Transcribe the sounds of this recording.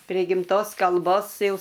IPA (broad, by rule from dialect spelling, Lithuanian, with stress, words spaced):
pʲrʲeː ɡʲɪmˈtoːs kɐlˠˈboːs ˈjɛʊ